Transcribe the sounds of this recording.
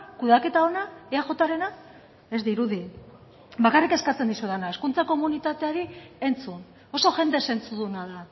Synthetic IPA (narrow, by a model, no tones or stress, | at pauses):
kuðake̞t̪ao̞naeaʝo̞t̪aɾe̞na | ezd̪iɾuði | bakarike̞skat͡se̞nd̪isuðanae̞skunt͡sako̞munit̪at̪eaɾie̞nt͡sun | o̞so̞ʝe̞nd̪e̞se̞nt͡suðunaða